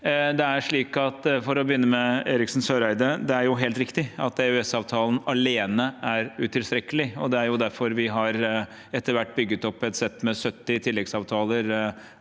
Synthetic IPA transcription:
d̪ɛæʂɭiːkɑt̪fɔɾɔbəjʏnːəmɛeːɾɪksn̩søːɾæɪd̪əd̪ɛæɾjʊɦeːlt̪ɾɪkt̪ɪɑt̪eʉɛsɑːʋt̪ʰɑːlnɑleːnəæɾʉt̪ʰɪlst̪ɾɛkːəlɪɔd̪ɛæɾjʊd̪æɾfɔɾʋɪɦɑɾ | ɛt̪ːəɾʋæʈːbʏɡːət̪ɔpːɛt̪sɛt̪ːmɛsœt̪ːɪt̪ʰɪlːɛɡsɑːʋt̪ʰɑːləɾ

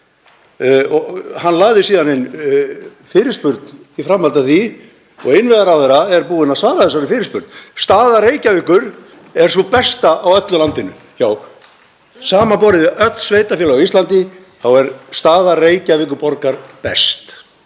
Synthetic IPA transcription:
ɔhanːlaːɣðɪsiːðanɪn | fɪːɾɪ̥spʏɾt̪n | ifɾamːhalt̪aθi | ɔ̰ɣɪnvɛɣaɾawθɛɾaɛɾpuːɪnasvaːɾaðθɛs̬aɾɪnfɪːɾɪ̥spʏɾt̪nst̪aːðareːjcavɪkʏɾ̥ | ɛɾ̥sθɔpɛst̪aʔawœt̪lʏlant̪ɪnʏ̰ | jaːw | saːmapɔːɾɪðɪœt̪l̥sveːjt̪afjɛːlaaist̪lant̪ɪ | θawɛɾst̪aːðareːjcavɪːk̬ʏɾpɔɾkaɾpɛst̪

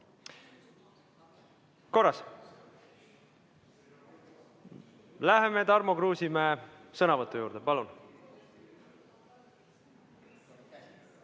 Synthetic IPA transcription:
ko̞rːɑs | læɦeme̞t̪ɑɾmokruːsimæesɤnɑvɤt̪ːˑujuːɾd̪̥epɑlun

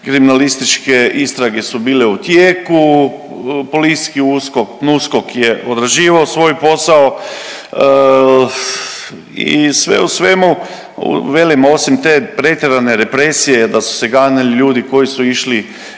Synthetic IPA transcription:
kɾiminalist̪it͡ʃkeʔist̪ɾaɡe̞subiːleut̪jeːku | poliskiuːskoknuskokjeʔod̪ɾaʒiːʋaosʋo̞jpo̞sao | ḭsʋḛusʋemṵ | ʋelimosimt̪eːpɾe̞t̪ʲjeɾaneɾe̞pɾesijed̪asu̥seɡaːnaliʎuːd̪iko̞jisuiʃli

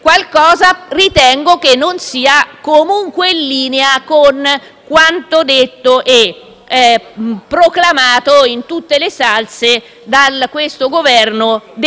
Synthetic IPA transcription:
kwalkɔːzarit̪ɛŋɡok̟enːonsiːakomuŋkwenlːiːneakon | kwant̪od̪et̪ːoʔɛ | pːɾoklamaːt̪oint̪ut̪ːelesalse | d̪alkːwest̪oɡovɛrnod̪

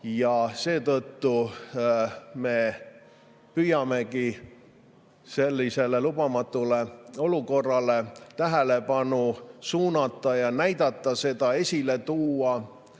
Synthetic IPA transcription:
jɑse̞ːt̪ɤt̪ːu | me̞ | pyjɑme̞ki | se̞lːise̞le̞lubɑmɑt̪ːˑule̞o̞luko̞rːɑle̞t̪æɦele̞pɑnusuːnɑt̪ːˑɑjɑnæjd̪̥ɑt̪ˑːɑse̞d̪̥ɑe̞sʲile̞t̪uːɑ

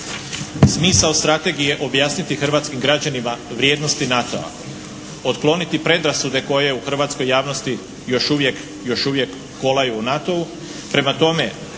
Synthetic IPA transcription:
smiːsaost̪ɾat̪e̞ɡije̞ʔo̞bjaːsnit̪ixr̩ʋaːt̪skimɡɾad͡ʑanimaʋɾjeːd̪no̞st̪inat̪o̞̰a̰ | ot̪klˠo̞nit̪ipɾe̞d̪ɾasud̪e̞ko̞je̞uxr̩ʋaːt̪sko̞jːaːʋno̞st̪i | jo̞ʃuʋje̞k | jo̞ʃuʋje̞kːolajuːnat̪o̞u | pɾe̞mat̪o̞me̞

